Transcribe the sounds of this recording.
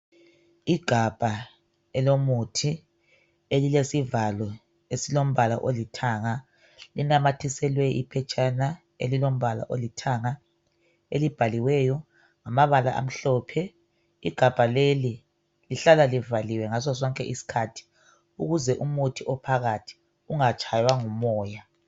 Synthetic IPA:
iɡ̥ʱab̥ʱa | ɛlomutʰi | elilesivalɔ | esilom̩βʱala̰ʔolitʰaŋa | linamatʰisɛlwɛʔipʰɛt͡ʃʼana | ḛlilom̩βala̰ʔolitʰaŋa | elib̥ʱaliwɛːjɔ | ŋamaβala̰ʔa̰m̩ɬɔːpʰɛ | iɡ̥ʱab̥ʱaleli | liɬalalivaliwɛŋas̬ɔs̬ɔŋkʼɛʔisi̥kʰatʰi̥ | uɣuzɛʔumutʰiɔpʰaɣatʰi̥ | uŋat͡ʃʼajwaŋumɔːja

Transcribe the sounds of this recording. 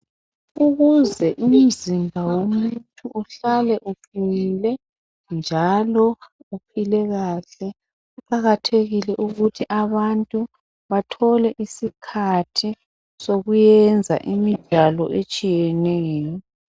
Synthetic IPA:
uɣuzɛʔum̩zimbʱawomutʼʰuʔːɬalɛʔupʰilɛ | nd͡ʒʱalɔupʰilɛɣaːɬɛ | uǃaɣatʰeɣilɛʔuɣutʰiʔaβantʼu | βatʰɔlɛʔisikʰatʰi | soɣujɛnd͡zʱa̰ʔimid̥ʒ̥ʱalɔʔet͡ʃʼijɛnɛːjɔ

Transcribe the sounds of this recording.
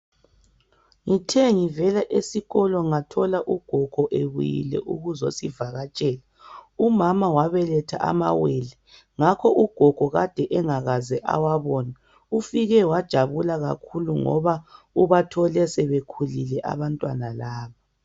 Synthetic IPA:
ŋitʰeŋivɛlaʔesiɣɔlɔŋatʰɔlaʔuɡ̥ʱɔɡ̥ʱɔʔeβṵjḭlɛ̰ʔuɣuzosivaɣat͡ʃʼɛːla | umamawaβɛlɛtʰa̰ʔa̰ma̰weli | ŋakʰɔʔuɡ̥ʱɔɡ̥ʱɔɣad̥ʱɛʔɛŋaɣazɛʔa̰waβɔːna | ufiɣɛwad̥ʒ̥ʱaβulaɣa̰kʰuluŋɔ̰βa | uβatʰɔlɛsɛβekʰulilɛʔa̰βantʼwanalaːβa

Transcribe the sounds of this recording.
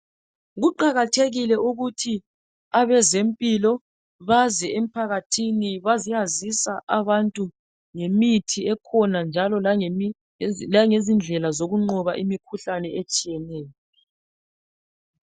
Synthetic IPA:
ɣuǃaɣatʰeɣilɛʔuɣutʰi | aβɛzempʼilɔ | βazɛem̩pʰaɣatʰiniβazijazisaʔaβantʼu | ŋemitʰiɛkʰɔnand͡ʒʱalɔla | laŋezind͡ɮʱɛlazoɣuŋ͡ǃɔβa̰ʔimikʰuɬanɛet͡ʃʼijɛnɛːjɔ

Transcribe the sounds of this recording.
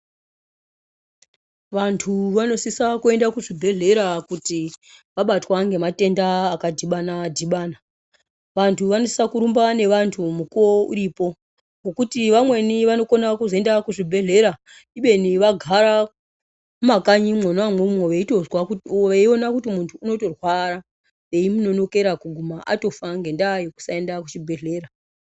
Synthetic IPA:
ʋantʰuʋano̞sisakue̞ndakuʐibʱe̞ɮe̞ɾakutiʋaɓatwaŋɡe̞mate̞ndaːkadʱiɓanadʱiɓaːna | ʋantʰuʋano̞si̥sakuɾumbane̞ʋantʰumukouɾiːpo̞ | ŋɡo̞kutiʋamwe̞niʋano̞ko̞nakuzoe̞ndakuʐibʱe̞ɮe̞ɾa | iɓe̞niʋaɡʱaɾa | mumakaɲimwonoamwemumoʋeito̞zwakeio̞nakutimuntʰuːno̞to̞rwaɾa | ʋe̞imuno̞no̞ke̞ɾakuɡʱumaʔa̰to̞faŋɡe̞ndajoku̥sae̞ndakut͡ʃibʱe̞ɮe̞ːɾa

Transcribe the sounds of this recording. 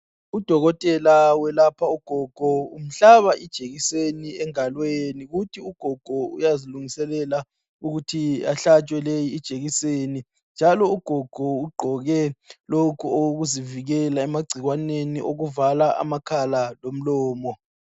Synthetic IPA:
ud̥ʱɔɣɔtʼɛlawɛlapʰauɡ̥ʱɔɡ̥ʱɔum̩ɬaβaʔid̥ʒ̥ʱeɣiseniɛŋalweniɣutʰiuɡ̥ʱɔɡ̥ʱɔṵjaziluŋisɛlɛla | uɣutʰiaɬat͡ʃʼwɛlejiːd̥ʒ̥ʱʼeɣiseni | nd͡ʒʱalɔuɡ̥ʱɔɡ̥ʱɔuɡ͡ǃʱɔɣɛlokʰuoɣuziviɣɛlaɛmaɡ͡ǀʱiɣwaneniʔoɣuvalaʔa̰makʰalalom̩lɔːmɔ

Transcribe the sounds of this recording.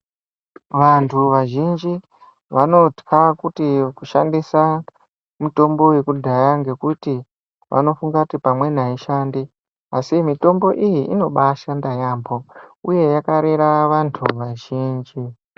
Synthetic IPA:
ʋantʰuʋaʒind͡ʒi | ʋano̞tkʰakutikuʃandisa | muto̞mbo̞we̞kudʱajaŋɡe̞kuti | ʋʔa̰no̞fuŋɡakutipamwe̞n̤aiʃandi | asimito̞mbo̞ʔijiʔino̞ɓaʃandajaːmbo̞uje̞jakaɾeɾaʋantʰuʋaʒiːnd͡ʒi

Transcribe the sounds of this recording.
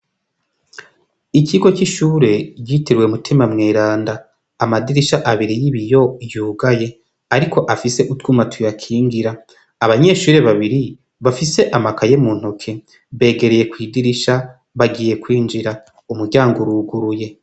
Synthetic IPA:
iciɡo̞kiʃuːɾe̞ɟiteɾwe̞mutʰimamŋeːɾaːndaː | madiɾiʃaʔaβiɾijiβijo̞juːɡaje̞ | aɾikʰo̞ʔafise̞ʔutkumatʰujakʰiːŋɡiɾaː | βaɲe̞ʃuːɾe̞βaβiɾi | βafise̞ʔamakajemuːn̥hokʰe̞ | βe̞ːɡe̞ɾe̞je̞kwiːdiɾiʃa | βaɡiːje̞kwiːnd͡ʒiɾa | umuɾɟaːŋɡoɾuːɡuɾuje̞

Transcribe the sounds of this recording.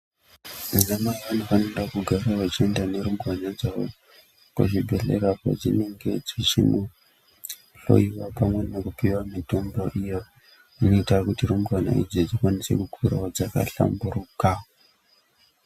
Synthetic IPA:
izamaiʋanofanidakuɡʱaɾawat͡ʃie̞ndane̞ɾumbranad͡zawo | ka̰ʐibʱe̞ɬḛɾaka̰d͡zine̞ŋɡe̞d͡zit͡ʃino | ɬo̞̰iwapamwe̞nokupiwamito̞mbo̞ʔijo | unoitakutiɾumbrana̰ḭd͡zid͡zikwanise̞̰kukʰuraod͡zaka̰ɬa̰mburuka

